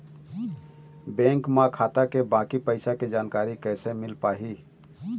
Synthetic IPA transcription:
bɛ̃ːŋkmãkʰaːt̪akebãːkipəɪsaked͡ʒaːnkaːɾikɛsemɪlpaːɦi

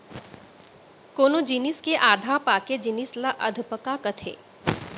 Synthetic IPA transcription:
koːnod͡ʒiniskeʔaːd̪ʱapaːked͡ʒinislaʔɐd̪ʱpəkakɐt̪ʰḛː

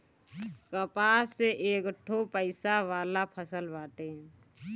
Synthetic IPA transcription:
kəpaːseʔeːkəʈʰːopəɪsaʋaːlapʰəsəlbaːʈeː

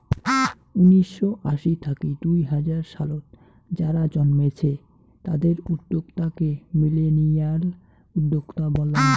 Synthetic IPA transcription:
uniʃːoʔaʃit̪ʰakid̪ujɦad͡ʑaɾʃalot̪̚ | d͡ʑaɾad͡ʑɔnmet͡ɕʰe | t̪ad̪eɾud̪ːoɡt̪akemilenijal | ud̪ːoɡt̪abɔlan

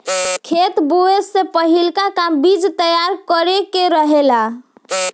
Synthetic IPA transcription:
kʰet̪boesːẽpəɦilkakambid͡ʒt̪əjaɾkəɾekeɾəɦela

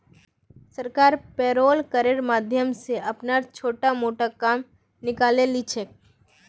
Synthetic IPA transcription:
səɾkaːɾpeːɾoːlkəɾeɾmaːd̪ʱjəmseɐpnat͡ʃʰoːʈamoːʈakaːm | nɪkaːlelit͡ʃʰeː

